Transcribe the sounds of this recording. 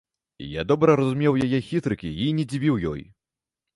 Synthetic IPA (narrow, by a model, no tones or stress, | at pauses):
ija̰d̪ɔbɾɐɾɐzumʲɛwjajɛxʲit̪ɾɨkʲiinʲɛd͡zʲivʲiwjɔ̰j